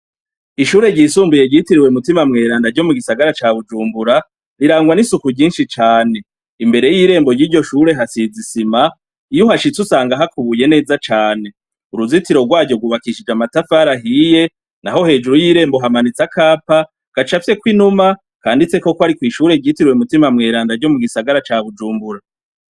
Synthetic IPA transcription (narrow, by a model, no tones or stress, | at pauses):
iʃuːɾe̞ɟisuːmbuje̞ɟitiɾiwemutimamŋe̞ːɾaːndaɟo̞muɡisaɡaɾat͡ʃaːβud͡ʒuːmbuɾa | ɾiɾaːŋɡwanisukuɟiːnʃit͡ʃaːne̞ | imbe̞ɾe̞jiːɾe̞ːmbojiːɾɟo̞ʃuɾe̞ɦasizisima | ijuhaʃit͡susaːŋɡaɦakuβujene̞ːzat͡ʃaːne̞ | uɾuzitiɾo̞ɡwaːɟo̞ɡuβakiʃid͡ʒamatafaɾaɦije̞ | naho̞he̞ːd͡ʒuɾujiɾe̞ːmbo̞ɦamanit͡sakʰaːpa | ɡ̥at͡ʃafse̞kwinuma | kaːndit͡se̞ko̞kwaɾikwiːʃuːɾe̞ɟitiɾweumutimamŋe̞ːɾaːndaɾɟo̞muɡisaɡaɾat͡ʃaːβud͡ʒuːmbuɾa